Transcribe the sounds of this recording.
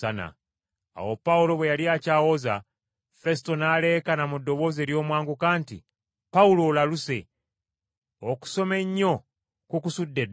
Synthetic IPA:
ana̰ | a̰wo̞paulo̞βwejaliaːcaːwo̞za | fe̞s̬i̥to̞naːleːkanamudːo̞βo̞ze̞ːɾjo̞ːmwaːŋɡukaːntḭ | paulo̞laluse̞ | oku̥so̞me̞ɲːo̞ | kukusudːed

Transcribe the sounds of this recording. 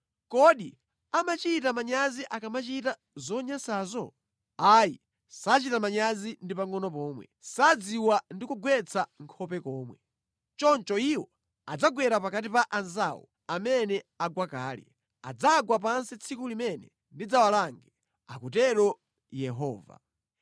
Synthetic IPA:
kɔɗi | amat͡ʃitamaɲaziʔakamat͡ʃita | zɔɲasaːzɔ | ajḭ | sat͡ʃitamaɲazindipaŋɔnɔp̬ɔːmwɛ̰sad͡ziwandikuɡwɛt͡sʰaŋkʰɔpɛkɔːmwɛ | t͡ʃɔnt͡ʃɔiwɔ | ad͡zaɡwɛɾapakatipaʔanzawɔ̰ | amɛnɛaɡwakaːlɛ̰ | a̰d͡zaɡwap̬ansit͡sʰikulimɛnɛ | ndid͡zawalaŋɡɛ | akutɛɾɔ | jɛɦɔːva̰

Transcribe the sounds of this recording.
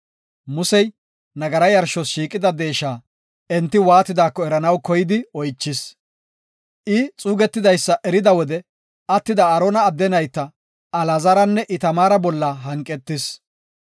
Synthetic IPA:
mʊsɛj | nɐɡɐɾɐjɐɾʃɔsʃiːkʼɪd̪ɐd̪e̞ːʃaː | ɛnt̪ːɪwaːt̪ɪd̪aːkːɔɛɾɐnɐwkɔjɪd̪ɪɔjt͡ʃːɪs | ʔɪt͡sʼuːɡɛt̪ːɪd̪ɐjsːɐʔɛɾɪd̪ɐwɔd̪ɛ | ɐt̪ːɪd̪ɐːɾoːnɐːd̪ːɛnɐjt̪ːɐ | ɐlɐzɐɾɐnːɛʔɪt̪ɐmaːɾɐbɔlːɐɦɐŋkʼːɛt̪ːɪs

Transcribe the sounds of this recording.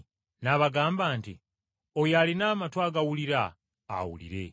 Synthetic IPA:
naβaɡaːmbaːntḭ | ojalinaːmatwaːɡawuliɾa̰ː | wṵlḭɾe̞

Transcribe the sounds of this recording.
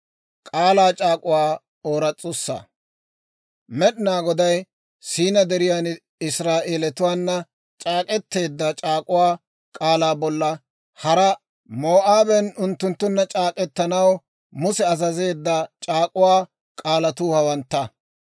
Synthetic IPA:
kʼaːlaːt͡ʃʼaːkʼʊwaː | oːɾɐt͡sʼːʊsːɐ̰ | mɛɗɪnaːɡɔd̪ɐj | siːnɐd̪ɛɾɪjaːn | ɪsɾaːʔe̞ːlɛt̪ʊwaːnːɐ | t͡ʃʼaːkʼɛt̪ːe̞ːd̪ːɐt͡ʃʼaːkʼʊwaː | kʼaːlaːbɔlːɐ | hɐɾɐ | moːʔaːbɛnʊnt̪ːʊnt̪ːʊnːɐt͡ʃʼaːkʼɛt̪ːɐnɐw | mʊsɛɐzɐze̞ːd̪ːɐt͡ʃʼaːkʼʊwaː | kʼaːlɐt̪uːhɐwɐnt̪ːɐ

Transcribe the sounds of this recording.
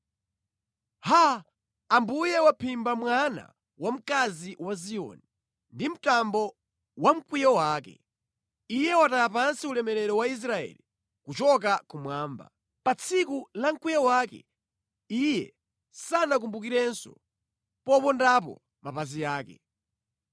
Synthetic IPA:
ha | ambujɛwapʰimbamwana̰ | wam̩kaziwaziɔ̰ni | ndim̩tambɔ | wam̩kwijɔwaːkɛ̰ | ijɛwatajapansiulɛmɛɾɛɾɔwais̬ɾaɛ̰li | kut͡ʃɔk̬akumwaːmba̰ | pat͡sʰikulam̩kwijɔwaːkɛ̰ | ijɛ | sanakumbukiɾɛnsɔ̰ | pɔpɔndap̬ɔ̰ | mapazijaːkɛ̰

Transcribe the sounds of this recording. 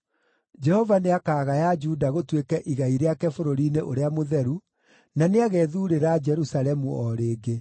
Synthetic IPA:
d͡ʒɛhɔvaneakaːɣajad͡ʒuːdaɣotwekɛʔiɣaiɾeakɛfoɾoɾineʔoɾeamoðɛɾu | naneaɣɛðuːɾeɾad͡ʒɛɾusalɛmuɔɾeːɡe

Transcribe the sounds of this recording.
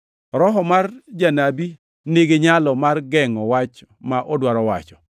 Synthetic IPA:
ɾɔɦɔmard͡ʒanabi | neɡeɲalɔmarɡɛŋɔwat͡ʃ | maʔodwaɾɔwa̰t͡ʃɔ̥

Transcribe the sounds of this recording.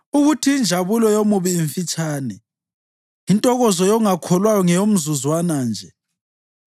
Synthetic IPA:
uɣutʰiind͡ʒʱaβulɔjomuβiːɱfit͡ʃʼaːnɛ | intʼɔɣɔzɔjɔŋakʰɔlwajɔŋɛjom̩zuzwanaːnd͡ʒʱɛ

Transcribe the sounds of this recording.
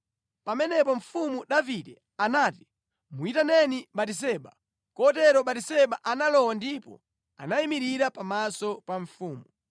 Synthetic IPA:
pamɛnɛpɔɱ̩fumuɗavidɛ | anaːti̥ | muitanɛniɓatis̬ɛɓa̰ | kɔtɛɾɔɓatisɛɓaʔanalɔwandipɔ̰ | a̰naimiɾiɾapamasɔpaɱfuːmu

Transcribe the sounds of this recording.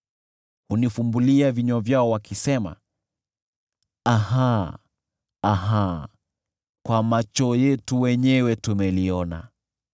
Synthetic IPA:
hunifumbuliaviɲɔvjaɔwakisɛma̰ | aha | ɦa | kwamat͡ʃɔjɛtuwɛɲɛwɛtumɛliɔna̰

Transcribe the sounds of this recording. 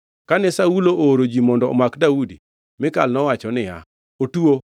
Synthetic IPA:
kanɛsauloʔoɾod͡ʒimɔndɔɔ̰makdaudi | mɪkalnɔwat͡ʃɔnɪja̰ | otuo

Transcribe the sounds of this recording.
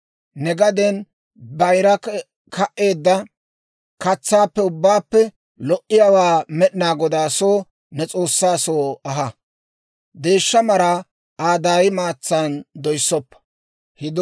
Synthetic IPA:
nɛɡɐd̪ɛn | bɐjɾɐ | kʰɐʔʔe̞ːd̪ːɐ | kɐt͡sːaːpːɛʊbːaːpːɛ | lɔʔɪjawaːmɛɗɪnaːɡɔd̪aːsoː | nɛt͡sʼo̞ːsːaːsoːɐɦɐ | d̪eːʃːɐmɐɾa | aːd̪aːjɪmaːt͡sːand̪ɔjsːɔpːɐ̥ | hɪd̪

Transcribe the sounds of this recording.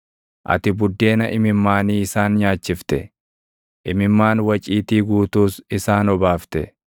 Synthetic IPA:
ʔɐ̰t̪ɪbʊd̪ːe̞ːnɐʔɪmɪmːaːniːɪsaːnɲaːt͡ʃːɪft̪ɛ | ʔɪmɪmːaːnwɐt͡ʃʼiːt̪iːɡuːt̪uːsɪsaːnɔbaːft̪ɛ

